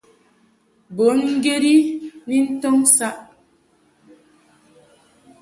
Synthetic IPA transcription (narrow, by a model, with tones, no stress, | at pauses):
bo˨˦nŋ̩˦ɡe˦ɾi˦ni˦n̩˦tɔ˦ŋsa˦ʔ